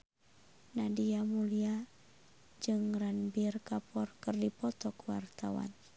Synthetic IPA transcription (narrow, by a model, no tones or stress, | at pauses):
nadiamulia | d͡ʒɨŋranbirkapɔrkɨrdipɔt̪ɔkuwa̰rt̪awa̰n